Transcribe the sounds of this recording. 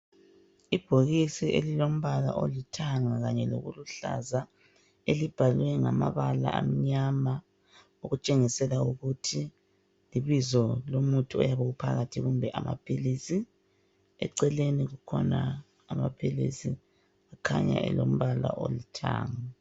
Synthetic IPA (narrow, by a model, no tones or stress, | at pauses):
ib̥ʱoɣisiḛlilom̩βala̰ʔo̰litʰaŋaɣaɲɛloɣuluɬa̰za | elib̥ʱalwɛŋama̰βala̰am̩ɲama | oɣut͡ʃʼeŋisɛlauɣutʰi | liβizɔlomutʰuɔ̰jaβɛɣupʰaɣatʰiɣumbʱɛʔamʔa̰pʰilisi | ɛ̰ǀɛleniɣukʰɔnaː | mapʰilḭsi | akʰaɲa̰ʔɛ̰lo̰m̩βala̰ʔo̰litʰa̰ːŋa